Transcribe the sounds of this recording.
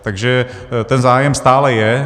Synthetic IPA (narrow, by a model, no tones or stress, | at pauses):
t̪aɡʒɛ | t̪ɛnzaːjɛmst̪aːlɛjɛ